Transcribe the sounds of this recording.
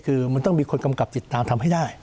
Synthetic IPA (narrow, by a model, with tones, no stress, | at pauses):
kʰɯː˧ma˧nt̪ɔ˥˩ŋmiː˧kʰo˧nka˧mka˨˩p̚t͡ɕ̪i˨˩t̪ːaː˧mt̪ʰa˧mɦa˥˩jdaː˥˩j